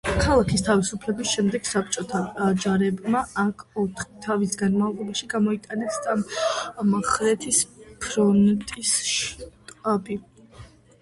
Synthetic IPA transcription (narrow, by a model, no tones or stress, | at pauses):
kʰalˠakʰist̪ʰavisupʰlɛbisʃɛmd̪ɛɡ̥sap̚t͡ʃʼɔt̪ʰad͡ʒaɾɛbmaakʰɔt̪ʰχit̪ʰavisɡanmavlˠɔbaʃiɡamɔit̪ʼanɛsammχɾɛt̪ʰispʰɾɔnt̪ʼisʃt̪ʼabi